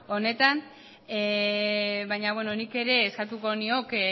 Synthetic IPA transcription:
o̞ne̞t̪an | e | βajɲaβwe̞no̞nike̞ɾe̞ːskat̪uko̞nio̞k

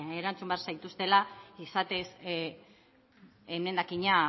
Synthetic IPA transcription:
eɾant͡sumbearsajt̪ust̪e̞laisat̪e̞s | emne̞nd̪akiɲa

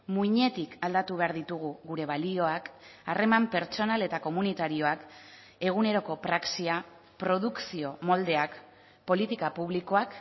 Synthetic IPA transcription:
muiɲe̞t̪ikald̪at̪uβe̞aɾðit̪uɣ̞uɣuɾe̞βalio̞akarʔe̞mampe̞ɾt͡so̞nale̞t̪ako̞munit̪aɾio̞ak | e̞ɣ̞une̞ɾo̞ko̞pɾaksia | pɾo̞ðuksio̞mo̞ld̪e̞ak | po̞lit̪ikapuβ̞liko̞ak

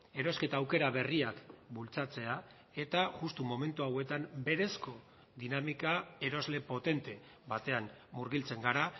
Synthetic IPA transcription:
e̞ɾo̞ske̞t̪aːwke̞ɾaβe̞riakbult͡sat͡se̞a | e̞t̪aʝust̪umo̞me̞nt̪uawe̞t̪ambe̞ɾe̞sko̞ | ðinamikae̞ɾo̞zle̞po̞t̪e̞nt̪e̞ | βat̪e̞anːuɾɣilt͡se̞ŋɡaɾa

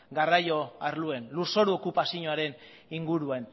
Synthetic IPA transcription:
ɡarajo̞aɾlue̞nluso̞ɾuo̞kupasiɲoaɾe̞n | iŋɡuɾuan

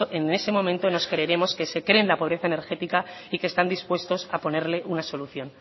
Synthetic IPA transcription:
ʔene̞se̞mo̞mẽnt̪o̞no̞skɾe̞ːɾe̞mo̞ske̞se̞kɾe̞ːnlapo̞β̞ɾe̞θaene̞ɾxe̞t̪ikaikest̪and̪ispwe̞st̪o̞sapo̞ne̞ɾle̞ʔunaso̞luθjo̞n

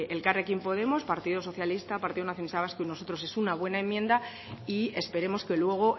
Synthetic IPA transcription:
elkarekimpo̞ð̞e̞mo̞spaɾt̪iðo̞so̞θjalist̪apaɾt̪iðonaθjo̞nist̪aβaskuinoso̞t̪ɾo̞s̬e̞sunaβ̞we̞nae̞mːjẽ̞nd̪a | ie̞spe̞ɾe̞mo̞ske̞lwe̞ɣ̞o̞

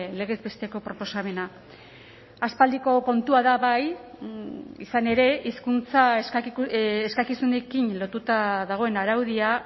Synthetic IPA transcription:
le̞ɣ̞ezbe̞st̪e̞ko̞pɾo̞po̞same̞na | aspald̪iko̞ko̞nt̪uaðaβaj | isane̞ɾe̞iskunt͡saes | eskakisune̞kinlo̞t̪ut̪aðaɣ̞o̞e̞naɾawð̞ia

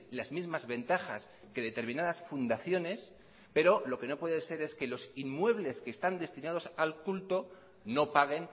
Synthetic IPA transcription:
lazmizmazβe̞nt̪axas | ke̞ðet̪e̞ɾmĩnaðasfund̪aθjo̞ne̞s | pe̞ɾo̞lo̞ke̞no̞pwe̞ðese̞ɾe̞ske̞lo̞sinmwe̞β̞le̞skest̪and̪e̞st̪inað̞o̞salkult̪o̞ | no̞paɣ̞e̞n

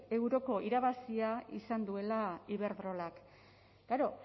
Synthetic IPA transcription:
e̞wɾo̞ko̞ʔiɾaβasiaisand̪ue̞laiβ̞e̞ɾðɾo̞lak | ɡ̥aɾo̞

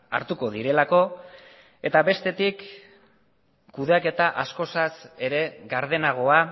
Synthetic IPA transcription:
a̰ɾt̪uko̞ðiɾe̞lako̞ | e̞t̪aβe̞st̪e̞t̪ik | uðeake̞t̪aʔasko̞sase̞ɾe̞ɣaɾðe̞naɣ̞o̞a

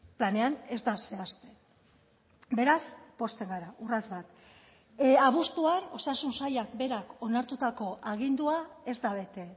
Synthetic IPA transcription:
plane̞ane̞zd̪ase̞ast̪e̞ | be̞ɾaspo̞st̪e̞ŋɡaɾaʔurazβat̪ | aβust̪uano̞sasunsajakbe̞ɾako̞naɾt̪ut̪ako̞ʔaɣ̞ind̪uae̞zd̪aβ̞e̞t̪e̞

